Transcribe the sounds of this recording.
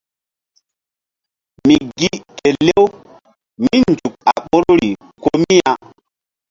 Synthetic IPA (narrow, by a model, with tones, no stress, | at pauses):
mi˨ɡi˦te˨le˦w | mi˦nd͡zu˨k̚a˨ɓo˦ɾo˦ɾi˨ | ko˦mi˦a˨